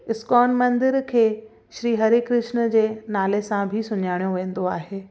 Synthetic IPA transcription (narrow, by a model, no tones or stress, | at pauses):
ɪskɔːnmɐ̃nd̪ɪɾkʰeː | ʃɾiːɦɐɾikɾɪʃnəd͡ʑeːnaːlesãbʱɪsʊɲaːɪɽ̃joʋẽːn̆d̪oaːɦeː